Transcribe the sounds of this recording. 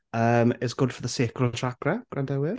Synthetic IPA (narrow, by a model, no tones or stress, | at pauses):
əːmɛsɡ̥ʊd̥fəðəseːkʰlɔtʰraɡrɛɡ̥randɛwɪr